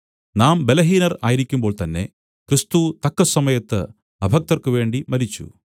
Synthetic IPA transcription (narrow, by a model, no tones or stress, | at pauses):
naːmbe̞lɐɦiːnɐra̰ːjiɾikʲːumbo̞ːɭt̪ɐnːe̞̰ | krist̪ut̪ɐkːɐsɐmɐjɐt̪ːɨ | ɐbʱɐk̚t̪ɐrkɨʋe̞ːɳɖimɐɾit͡ɕːṵ